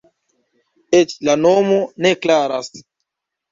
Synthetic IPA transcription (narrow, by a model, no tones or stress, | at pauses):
et͡ʃlano̞mone̞klaɾas